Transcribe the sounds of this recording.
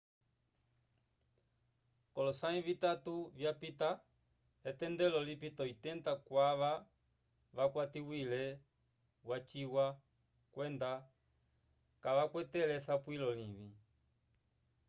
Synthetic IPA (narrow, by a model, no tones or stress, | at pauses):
kɔlɔsaĩvitatuvjapita | ɛtɛndɛlɔlipitɔitɛndakwaʋa | ʋakwatiwilɛ | wat͡ʃiwa | kwɛnda | kaʋakwɛtɛlɛsapwilɔliβi